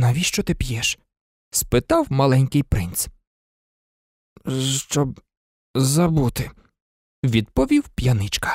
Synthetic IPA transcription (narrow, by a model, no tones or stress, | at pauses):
nɐʋʲiʃt͡ʃɔt̪ɪpʲjɛʃ | spɪt̪ɑwmɐlˠɛnʲkɪjpɾɪnt̪s | ʃt͡ʃɔb̚ | zɐbut̪ɪ | ʋʲid̪pɔʋʲiwpʲjɐnɪt͡ʃkɐ̥